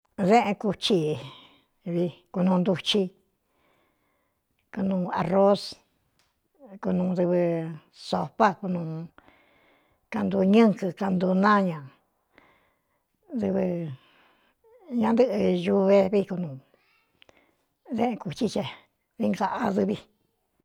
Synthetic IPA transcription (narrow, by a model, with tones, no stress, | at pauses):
ðẽ˦ʔẽ˧ku˧t͡ʃi˧ | βi˧ku˧nũː˧nd̪u˧t͡ʃi˧ | ku˧nũː˧a˧ro˦s | ku˧nũː˧ðɨ˧βɨ˧ | so˧pa˦ku˧nũː˧ | ka˧nd̪u˧ɲɨ̃˦ŋkɨ˧ka˧nd̪u˧nã˦ɲã˨ | ðɨ˧βɨ˧ | ɲã˧nd̪ɨ˦˧ʔɨ˧ju˧βe˧βi˧ku˧nũ˨˧ | ðẽ˦ʔku˨t͡ʃi˧t͡ʃe˧ | ði˧ŋɡa˧ʔa˧ðɨ˧βi˧